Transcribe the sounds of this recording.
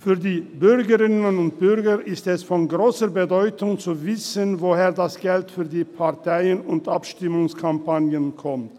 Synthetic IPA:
fyːɐdiːbʏʁɡəʁɪnəənʊnt̚b̥ʏʁɡəɾɪstɛsfɔnɡʁoːsəbədɔʏtʊŋt͡suvɪsənvoheːɐdasɡ̥ɛltfyːɐdiːpʰaɐtʰaɪənʊntʔapʃtɪmʊŋskʰampanjənkʰɔmt

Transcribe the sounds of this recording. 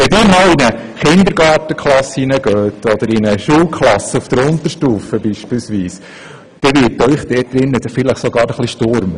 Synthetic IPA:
ʋɛdiːmɑlinəχɪnd̪əɾɡɑːɾtəkχlɑsinəɡøːtʰɔd̥̪əɾinəʃuːlkχlɑsəufd̥əɾʊnt̪əɾʃtuːfəbiːʃpiːlsʋiːs | d̪̥ɛʋɪːɾtœʏχd̥̪ɛːt̚d̥̪ɾɪnːətfɪləχsoɡɑːɾəχliʃtʊɾmə

